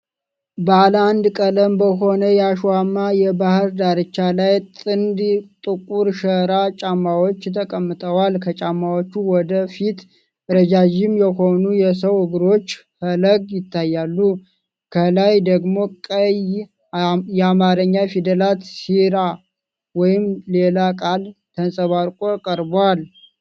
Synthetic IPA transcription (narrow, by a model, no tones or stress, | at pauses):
bəaləand̪kʼələmbəɦo̞nəjɛaʃwamːajɛbahɨɾd̪aɾɨt͡ʃːalajt̪ʼɨnd̪t̪ʼɨkʼuɾʃəɾat͡ʃʼamːawot͡ʃːt̪ʰəkʼəmːɨt̪ʼʰəwalkʰət͡ʃʼamːawot͡ʃːuwɔd̪əfit̪ | ɾəd͡ʒad͡ʒɪmjɛho̞nujɛsəwhɨɡɾo̞t͡ʃː | hələɡjɪt̪ʰːajːalːu | kʰəlajd̪əɡmo̞kʼəj | jɛamaɾəɲːafid̪əlat̪siɾa | wɔjɪmle̞lakʼalt̪ʰənsʼəβaɾkʼokʼəɾbal